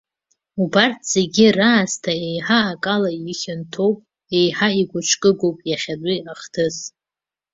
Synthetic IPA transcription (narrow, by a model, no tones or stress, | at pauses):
ubartʰz̥e̞ɡʲiraːstʰaejħaːkʼalajɪχʲɪntʰo̞wpʼ | e̞jħaiɡʷʊt͡ʃʷʰkʼɨɡowpʼjaχʲadʼiaχtʰɨz